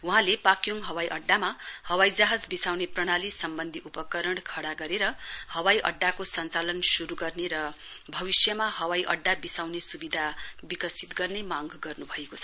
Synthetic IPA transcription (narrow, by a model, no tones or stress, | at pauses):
uɦãlepakjoŋɦʌwajʔʌɖːamahʌwajd͡zaɦad͡zbisawneprʌɽ̃alisʌmbʌnd̪ʱiʔupʌkʌɾʌɳkʰʌɽaɡʌɾeɾʌhʌwajʔʌ̰ɖːakosʌnt͡salʌnsuɾuɡʌrneɾʌ | bʱʌbisjʌmaɦʌwajʔʌ̰ɖːabisawnesubid̪ʱabikʌsit̪ɡʌrnemaŋɡɡʌrnubʱʌekot͡sʰ